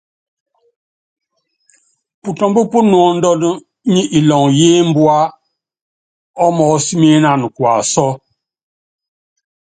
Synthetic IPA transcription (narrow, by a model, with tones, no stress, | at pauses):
pu˨tɔ˨mbə˦pu˦n˨ɔ˨n̩˦dɔ˦n˦ | ɲi˦ʔi˨lɔ˨ŋje˦m̩˦bwa˦ | ɔ˦mɔː˨˦si˦me˦na˨n˨kwa˨sɔ˦